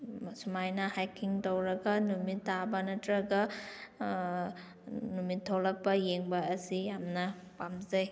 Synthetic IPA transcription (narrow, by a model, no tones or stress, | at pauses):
sumajnɐhajkʰiŋtowɾɐɡɐnumitːabɐnɐtɾɐɡɐ | numitʰːolɐk̚pɐjeŋbɐːsijamnɐ | pamzɐj